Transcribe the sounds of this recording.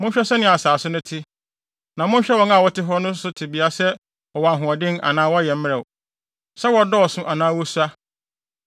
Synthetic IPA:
mʊ̃˦n˦ɕᶣɛ˦sɛ˦nɪ̃˦˨a˨saː˨sʊ˦nʊ̃˦tʰɪ˦ | nã˨mʊ̃˦n˦ɕᶣɛ˦wɔ̃˦ŋ˦a˨wɔ˦tʰɪ˦ɦɔ˦nʊ̃˦sʊ˦tʰɪ˨bi˨a˨sɛ˦ | ɔ˨wa˨ɦʊ̃˨ɔ˨dɪ̃˦na̰˨nãː˦wɔ˦jɛ˨m̩˦mɪ̃˦ɛ˨ | sɛ˦wɔ˨dɔ˦ɔ˨sʊ̃˦ʔa˨nãː˦wɔ˦su˦a˦

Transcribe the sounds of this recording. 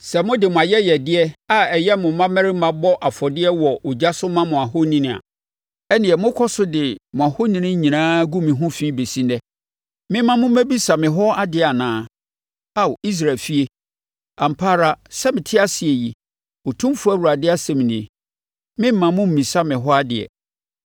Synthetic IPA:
sɛ˨mʊ̃˦dɪ˨mʊ̃˨a˨jɛ˦jɛ˨dɪ˦ɛ˦a˦ɛ˨jɛ˦mʊ̃˨mã˦mɛ̃˦ɾɪ˦mã˨bɔ˦ʔa˨fɔ˨dɪ˦ɛ˦wɔ˨ʔʊ˨d͡ʑa˦sʊ˦mã˦mʊ̃˨a˨ɦo˦nĩ˦nɪ̃˨a̰˨ | ɛ˦nɪ̃˨ɛ˨mʊ̃˦kʰɔ˦sʊ˦dɪ˨mʊ̃˨a˨ho˦nĩ˦nɪ̃˦ɲĩ˨nãː˦ɡu˦mĩ˨ɦʊ̃˦fĩː˦be˨si˦nɛ˦ | mɪ̃˦m˦mã˦mʊ̃˦mæ˦bi˦sa˨mɪ̃˨ɦɔ˦a˦dɪ˨a˨nãː˦ | a˦wi˦s̬ɾa˨lfi˦e˦ | ã˨m̩˨pʰaː˦ɾa˦sɛ˦mɪ̃˨tʰɪ˦a˦sɪ˨e˨ji˨ | o˨tʰũ˦mfʊ˦a˦˨wu˨ɾa˨dɪ˦a˦sɛ̃˨m˨nɪ̃˨ | mɪ̃˦m̩˦mã˨mʊ̃˦m̩˨mĩ˨sa˦mɪ̃˨ɦɔ˦a˦dɪ˨ɛ̰˨

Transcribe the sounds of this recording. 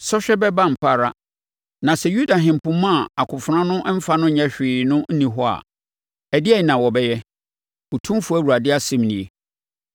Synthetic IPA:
sɔ˦ɕᶣɛ˦bɛ˦bã˦m̩˨pʰa˦˨ɾa˦ | nã˨sɛ˨ju˦da˨ɦɪ̃˨m˨pʊ̃˦mã˦˨a˨kʰʊ˨fʊ˨ɾã˦nʊ̃˦m̩˦fa˦nʊ̃˦ɲɛ̃˦ɕᶣɪː˨nʊ̃˦n̩˦nĩ˨ɦɔ˦a̰˨ | æ˨dɪ˦ɛ˦ɲ˨nã˨wɔ˨bɛ˦jɛ˦ | ɔ˨tʰũ˦m˦fu˨˦æ˦˨wu˨a˨dɪ˦a˦sɛ̃˦˨mnĩ˨e˨

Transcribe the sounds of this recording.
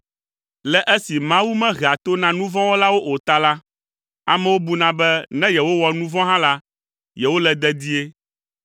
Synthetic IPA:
lɛ˨ʔɛ˦si˨mã˦wu˦mɛ̃˦ɣɛ˨a˨t̪o˦nã˨nũ˦vɔ̃˦wo˦la˦wo˦ʔo˨t̪a˦la˦ | a̰˨mɛ̃˦wo˦bu˦nã˨bɛ˦nɛ̃˦jɛ˨wo˦wɔ˨nũ˦vɔ̃˦ɦã˦la˦ | jɛ˨wo˦lɛ˨d̪ɛ˦d̪i˦e˦

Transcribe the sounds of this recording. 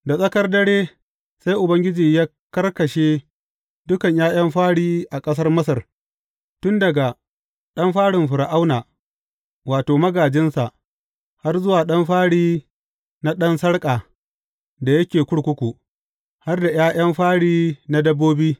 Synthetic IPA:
da˨sʼɐ˦kɐ˦rdɐ˦ɽeː˦ | sa˦jʔʊ˨bɐ˦ŋɡʲɪ˦d͡ʒiː˨jaː˦ | kɐ˦rkɐ˨ʃeː˦ | dʊ˦kɐ˨ɲjaː˦j̰ɐ˦mɸaː˦ɽiː˦ʔa˨kʼɐ˦s̬ɐ˦rmɐ˦sɐ˨r | tʊ˦ndɐ˨ɡa˨ | ɗɐ˦mɸaː˦ɽɪ˨mɸʊ˨ɾa˨ʔa˦wnaː˨ | waː˨toː˨mɐ˦ɡaː˨d͡ʒɪ˦nsa˨ʔ | ha˦rzʊ˦waː˨ɗɐ˦mɸaː˦ɽiː˦ | na˦ɗɐ˦nsɐ˦ɽkʼaː˨ | da˨jɐ˦kʲeː˨kʷʊ˦ɽkʷʊ˦kʷu˨ | ha˦rda˨j̰aː˦ʔj̰ɐ˦mɸaː˦ɽiː˦na˦dɐ˦bːoː˦biː˦

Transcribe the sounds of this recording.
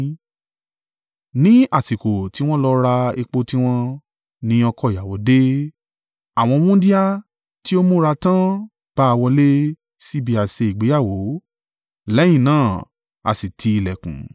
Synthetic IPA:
nĩ˦a˦˨ti˨ko˨ti˨˦w̃ɔ̃˦lɔ˦ɾa˧e˧k͡po˧ti˦w̃ɔ̃˦ | nĩ˦ɔ˧kɔ˦˨ja˨wɔ˨˦de˦ | a˨w̃ɔ̃˧mũ˦di˦a˦ | ti˦o˦mo˦ɾa˧tã˦ | b̥a˦a˧wɔ˧le˦ | si˦bi˧˦a˨se˧i˨ɡ͡be˨˦ja˦˨wo˨˦ | lɛ˨˦j̃ĩ˦˨nãː˦˨ | a̰˨si˨tʰi˧i˧lɛ˨kṵ̃˨

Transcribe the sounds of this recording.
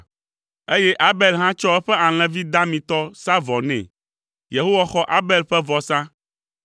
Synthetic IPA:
e˦je˦ʔa˦be˨lɦã˦t͡ʃɔ˦ɛ˦ɸɛ˦a˨l̃ɛ̃˨vi˦d̪a˦mĩ˨t̪ɔ˦sa˦vɔ˨nɛ̰̃˨ | je˨ɦo˦wa˨xɔ˦ʔa˦be˦lɸɛ˦vɔ˨sã˦

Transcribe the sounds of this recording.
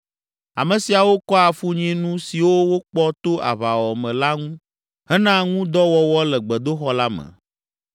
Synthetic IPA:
a̰˨mɛ̃˨si˨a˨wo˦kɔ˦a˨fu˦ɲɛ̃˦nũ˦si˨wo˦wo˦k͡pɔ˦t̪o˦ʔa̰˨βa˨wɔ˨mɛ̃˨la˦ŋũ˦ | ɦɛ˦nã˦ŋũ˦d̪ɔ˦wɔ˦wɔ˦lɛ˨ɡ͡bɛ˨d̪o˦xɔ˦la˦mɛ̰̃˨

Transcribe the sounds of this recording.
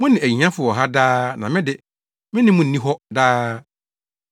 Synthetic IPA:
mʊ̃˦nɪ̃˨æ˨ɲi˨ɲã˦fʊ˨ɔ˨ɦa˦daː˦nã˨mɪ̃˦dɪ˨ | mɪ̃˦nɪ̃˦mʊ̃˦n̩˨nĩ˦ɦɔ˦daː˦

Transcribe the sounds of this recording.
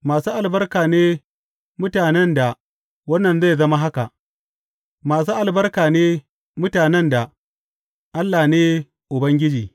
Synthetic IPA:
maː˨suː˦ʔa˨lbɐ˦rkaː˨neː˦ | mʊ˦taː˨nɛ˦nda˨ | wɐ˦nːɐ˨nze˦˨jzɐ˦ma˦ɦa˦ka˨ʔ | maː˨s̬uː˦ʔa˨lbɐ˦rkaː˨neː˦ | mʊ˦taː˨nɛ˦nda˨ | ʔa˦lːaː˨neː˦ | ʔʊ˨bɐ˦ŋɡʲɪ˦d͡ʒiː˨

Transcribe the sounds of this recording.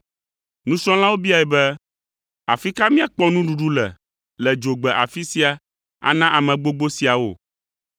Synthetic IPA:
nũ˦sɔ̃˦l̃ã˦wo˦bi˦a˨ɛ˨bɛ˦ | a̰˨fi˦ka˦mĩ˦a˨k͡pɔ˦nũ˦ɖu˨ɖu˦lɛ̰˨ | lɛ˨d͡ʒo˨ɡ͡bɛ˨ʔa̰˨fi˦si˦a˨ | a̰˨nã˦ʔa˨mɛ̃˨ɡ͡bo˦ɡ͡bo˦si˨a˨wo̰˨

